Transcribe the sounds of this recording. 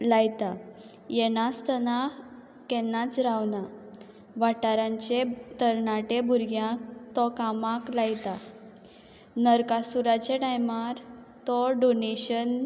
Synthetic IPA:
lajt̪a | jɛnast̪əna | kɛnːat͡sɾawna | ʋaʈaɾãɲt͡ɕet̪əɾɳaʈebʱuɾɡjãkt̪ɔkamãklajt̪a | nəɾkasuɾat͡ɕeʈajmaɾ | t̪ɔɖoneɕən

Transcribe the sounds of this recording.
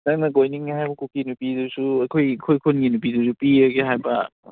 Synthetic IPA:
nɐŋnɐɡojniŋihajbɐkukinupidusuɐkʰojkʰojkʰonɡinup̬idusupiɾɐɡeɦajbɐ

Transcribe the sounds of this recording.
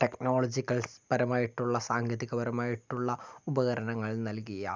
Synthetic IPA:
ʈekno̞ːɭɐd͡ʑikːɐɭspɐɾɐmaːjiʈːuɭːɐsaːŋɡjɐðiɣːɐbɐɾɐmaːjiʈːuɭːɐubɐɣɐɾɐnɐŋːɐɭnɐlkijɐ̰

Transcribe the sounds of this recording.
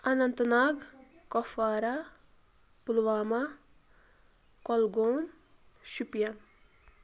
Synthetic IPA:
ɐnɐnt̪ɐnaːɡkɔfaːɾa | pulʋaːma | kɔlɡoːm | ʃupijan

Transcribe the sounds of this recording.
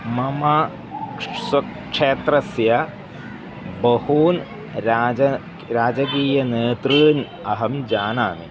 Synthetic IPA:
mɐma | swɐk | ʂeːt̪ɾɐsjɐ | bɐhuːn | ɾaːɐ | ɾaːd͡ʒɐk̬iːjɐneːt̪ɾɨːn | ɐɦɐmd͡ʒaːnaːni

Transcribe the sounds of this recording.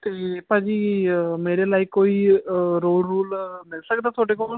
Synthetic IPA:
t̪eːpãːd͡ʒiːmeːɾeːlaːiːkoːiːɾoːlɾuːlmɪlsək̚d̪aːt̪ʰoːɖeːkɔ

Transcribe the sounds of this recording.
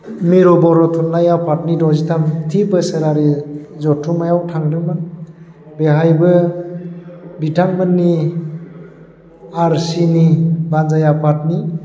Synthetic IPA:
miɾɔbɔɾɔtʰunlajapʰat̚nidɔzitʰamtʰipɯseɾaɾizɔtʰːumajawtʰaŋɾɯma | beɦajbɯ | bitʰaŋbanːi | aɾsinibanzajapʰat̚ni

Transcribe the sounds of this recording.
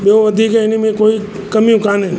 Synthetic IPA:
ɓeõʋəd̪ʱikeenimẽkoi | kəmjũkanẽ

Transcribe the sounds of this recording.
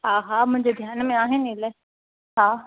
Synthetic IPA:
ɦaːɦamʊ̃ɦɪɲd͡ʑed̪ʱjaːnmẽaːɦẽneːlɛː | ɦãː

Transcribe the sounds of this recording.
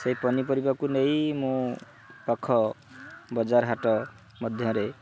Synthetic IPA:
sejpɔnipʌɾibakunejmũ | pakʰːɔ | bʌd͡zaɾɦaʈɔ | mʌd̪ʱjʌ̃ɾe

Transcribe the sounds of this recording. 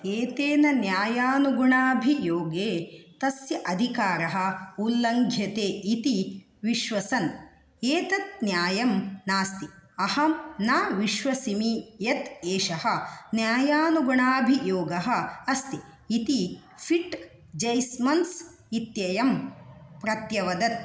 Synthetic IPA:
eːt̪eːnɐnjaːjaːnuɡuɳaːbʱijoːɡeːt̪ɐsjɐʔɐd̪ʱikaːɾɐɦɐ̆ulːɐŋɡʱjɐt̪eːʔit̪i | ʋiʃʋɐsɐn | eːt̪ɐt̪̚njaːjɐmnaːst̪iɐhɐmnaːʋiʃʋɐsimijɐt̪eːʃɐɦɐ̆njaːjaːnuɡuɳaːbʱijoːɡɐɦɐ̆ɐst̪i | it̪i | fʰiʈ | d͡ʒɐjsmɐns | it̪jɐjɐmpɾɐt̪jɐʋɐd̪ɐt̪̚

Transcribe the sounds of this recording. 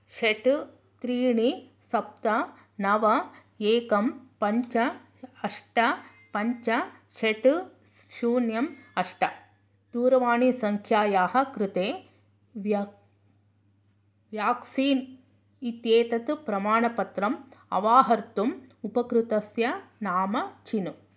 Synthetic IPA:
ʃeʈ | t̪ɾiːɳisɐp̚t̪ɐ | nɐʋɐ | eːkɐmpɐɲt͡ʃɐ | ɐʂʈɐ | pɐɲt͡ʃɐʃeʈuʃuːnjɐmɐʂʈɐ | t̪uːɾɐʋaːɳisɐŋkʰjaːjaːɦɐ̆kɾɪt̪eː | ʋ | ʋjaːksiːn | it̪jeːt̪ɐt̪upɾɐmaːɳɐpɐt̪ɾɐmɐ̰ʋaːɦɐɾt̪umupɐkɾut̪ɐsjɐnaːmɐt͡ʃinu

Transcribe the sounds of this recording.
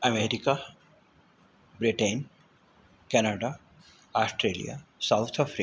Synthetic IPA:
ɐmeːɾika | bɾiʈẽn | kɛnaɖa | aːsʈɾeːlḭja̰saʊt̪ʰafɾi

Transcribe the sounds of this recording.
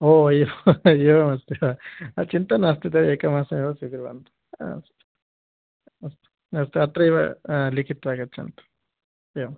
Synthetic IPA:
oːiʋɐiʋɐmɐst̪eɐɐt͡ʃint̪ɐnɐst̪it̪̬eeːkɐmaːsɐmiʋɐsid̪iɾʋɐ̰nt̪u̥̰ | st̪ | ɐst̪e̥ | ɐst̪eɐt̪ɾɐiʋɐ̰likʰit̪ʋaːɡɐt͡ʃḭnt̪ɐ̥ | eʋɐm

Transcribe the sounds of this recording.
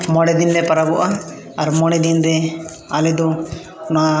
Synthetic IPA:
mɔɽɛd̪ind̪ɛpaɾabɔʔaː | ɾmɔɽɛd̪ind̪ɛ | alɛd̪ɔ | na

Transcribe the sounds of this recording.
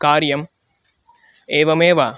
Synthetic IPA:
kaːɾjɐm | eːʋɐmeːʋaː

